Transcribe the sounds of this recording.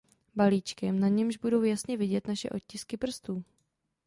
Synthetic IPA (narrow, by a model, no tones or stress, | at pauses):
baliːt͡ʃkɛmnaɲɛmʒbudo̞wjasɲɛvɪɟɛt̪naʃɛ̰ʔo̞t̪̚cɪskɪpr̩st̪uː